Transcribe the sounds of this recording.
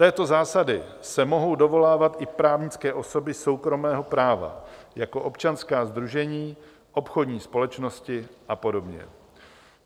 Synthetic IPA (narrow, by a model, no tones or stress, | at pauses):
t̪ɛːt̪o̞zaːsadɪ | sɛmo̞ɦo̞wdo̞vo̞laːvat̪ʔɪpɾaːvɲɪt͡skɛːʔo̞so̞bɪso̞wkɾo̞mɛːɦo̞pɾaːva̰jako̞ʔo̞pt͡ʃanskaːzd̪ɾuʒɛɲiː | ʔo̞pxo̞dɲiːspo̞lɛt͡ʃno̞scɪʔapo̞do̞bɲɛ̰